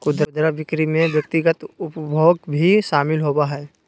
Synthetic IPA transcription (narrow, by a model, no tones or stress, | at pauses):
kʊd̪ɾd̪ɾaʋɪkɾimẽʋjək̚t̪ɪɡət̪ʊpbʱoːɡbʱiʃaːmɪlɦoːbaɦɛː